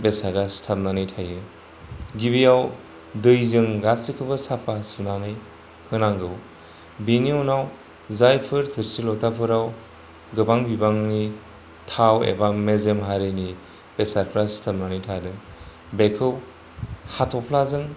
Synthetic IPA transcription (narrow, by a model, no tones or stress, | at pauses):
besaɾdastʰap̚nanɯjtʰajɯ | ɡibijaw | dɯjzɯŋɡasikʰɯbɯsapʰasunanɯj | hɯnaŋɡɯw | binionaw | zajpʰɯɾtʰɯɾsilɔtʰapʰɯɾaw | ɡɯbaŋbibaŋni | tʰawḛbamezemɦaɾɯni | b̥esaɾpʰɾastʰap̚nanɯjtʰadɯ | bekʰɯw | hatʰɔpʰlazɯŋ